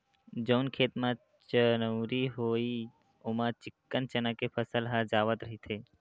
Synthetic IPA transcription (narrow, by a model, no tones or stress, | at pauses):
d͡ʒəʊnkʰeːt̪mã | t͡ʃənəɾiɦoːi | omãt͡ʃɪkːənt͡ʃənəkepʰəsəlɦad͡ʒaːʋət̪ɾəɦit̪ʰeː